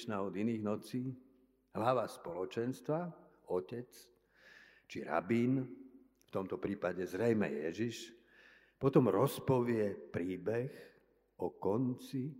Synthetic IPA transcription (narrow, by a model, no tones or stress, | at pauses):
ʃnaːɔd̪iniːɣnɔt͡siː | ɦlaʋaspɔlɔt͡ʃɛnst̪ʋa | ɔcɛt͡s | t͡ʃiɾa̰biːn | ft̪ɔmt̪ɔpɾiːpaɟɛzɾɛjmɛ̰jɛ̰ʒiʃ | pɔt̪ɔmɾɔspɔʋɪɛpɾiːbɛx | ɔkɔnt͡si